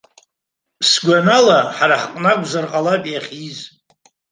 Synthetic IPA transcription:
sɡʷanalaħaɾaħqʼnakʷʼzarqʼalapʼjaχʲiz

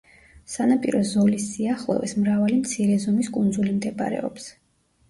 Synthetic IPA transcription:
sanapʼḭɾɔzɔlisːiaχlˠɔ̰vɛsmɾavalimt̪sʰiɾɛzɔmiskʼund̪zulimd̪ɛbʼa̰ɾɛ̰ɔps

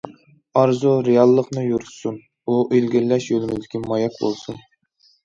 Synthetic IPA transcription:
ɑɾzuɾejɑlˠːəqnɨjuɾsun | uʔilɡʲiɾlɛʃjølɪmɪzd̪ɪkʲimɑjɛkbo̰lˠsun

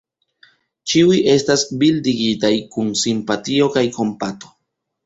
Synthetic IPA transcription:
t͡ʃiwiʔe̞stasbildiɡitajkunsimpatio̞kajko̞mpat̪o̞̥

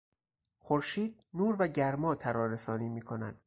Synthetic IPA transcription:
xoɾʃiːd̪̚nuːɾvæɟæɾmɒːt̪ʰæɾɒːɾesɒːniːmiːkʰo̞næ̰d̪̥

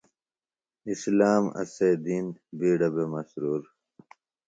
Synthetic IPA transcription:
islaːmɐ̰seːd̪iːnbiːɽɐbemɐsɾuːɾ

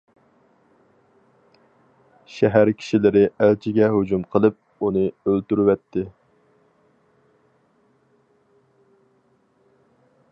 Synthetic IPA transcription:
ʃɛɦæɾkʲʰi̥ʃilɪɾɪælt͡ʃʰɪɡʲɛɦod͡ʒumqʰəlˠɨp̚ | unɨølt̪yɾwɛt̪ʰːɪ

